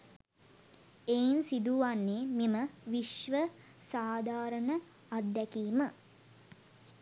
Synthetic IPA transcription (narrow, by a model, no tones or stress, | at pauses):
ejnsid̪uʋanːemiməʋiʃʋə | saːd̪ʱaːɾəɳə | ad̪ːɛkiːmə